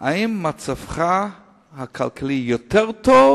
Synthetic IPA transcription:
aimːat͡safχa | hakʰa̰lkʰalijot̪eʁt̪ov

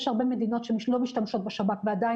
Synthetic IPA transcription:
ʃhaʁbeme̞d̪ino̞t̪ʃemiʃlo̞miʃt̪amʃo̞t̪̚beʃabakvead̪ai

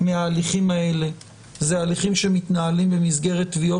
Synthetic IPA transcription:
meaːliχimae̞le̞ | zealiχimʃemit̪naalimbemizɡe̞ʁet̪ːvio

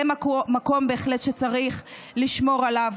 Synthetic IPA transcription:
emako̞mbe̞ːχlet̪ʃe̞t͡saʁiχ | liʃmo̞ʁalav

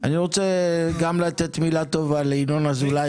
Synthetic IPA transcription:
a̰niʁo̞t͡sɛɡamlat̪et̪milat̪ovaleinonazula

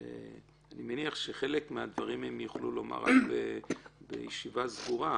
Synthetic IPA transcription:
ḛ | animeniaχʃeχe̞lekmead̪vaʁimemjuχluloma̰ʁa̰kbebḛjiʃivazɡuʁa

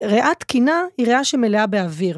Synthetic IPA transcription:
ʁeʔat̪kinaiʁeaʃemeleabeaviʁ

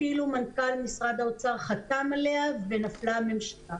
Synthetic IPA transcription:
ilumankalmisʁad̪aot͡saʁχat̪amaleavvenaflamemʃḁla

